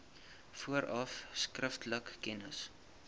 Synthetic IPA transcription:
fuəɾɐfskrəftləkːɛnəs

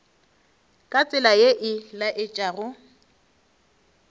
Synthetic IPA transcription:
kʼat͡sʼɪlajeʔɪlaʔɪt͡ʃʼaːrʊ

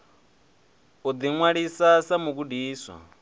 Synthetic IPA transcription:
ud̪iŋwaɺisasamuk̬udiːswa̰

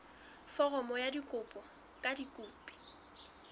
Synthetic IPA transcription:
fɔrɔmɔjadikʼʊpʼɔ | kʼadikʼuːpʼi̥

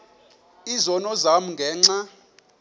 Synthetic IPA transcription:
izɔnɔzamuŋɡʱɛːŋ͡ǀa

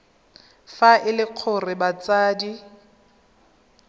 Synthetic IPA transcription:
faʔɪlɪq͡χʰʊrɪbat͡saːdi

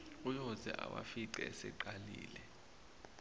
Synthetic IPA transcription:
ujɔzɛʔawafiǃɛɛsɛǃaliːlɛ

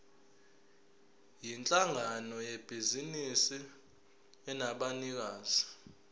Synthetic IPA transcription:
jint͡ɬʼaŋanɔjɛb̥ʱizinisi | ɛnaɓanik̬aːz̥i

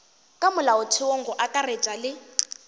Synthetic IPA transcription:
kʼamʊlaʊtʰɪoŋ̩ɡɔʔakʼaret͡ʃʼalɪ

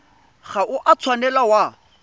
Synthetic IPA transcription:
ɣaʔʊʔat͡sʰwanɛlawa

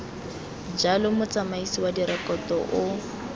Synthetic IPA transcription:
d͡ʒalʊmʊt͡samaisiwadiɾɛkɔtɔʔʊ

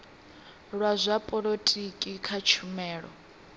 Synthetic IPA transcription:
ɺwazʷapʼɔɺotʼikʼikʰat͡ʃʰumɛːɺɔ̰

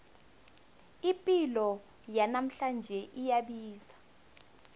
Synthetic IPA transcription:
ipʼilɔ | janam̩ɬand͡ʒʱɛʔijaɓiːza

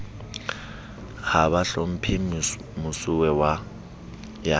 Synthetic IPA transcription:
haβaɬom̩pʰi | mʊsʊwɛwa | ja

